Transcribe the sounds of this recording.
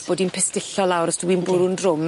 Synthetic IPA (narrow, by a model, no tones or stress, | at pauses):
b̥oːdinpʰɪstɪɬɔlˠawɾəsd̥uwinbʊɾʊndrʊm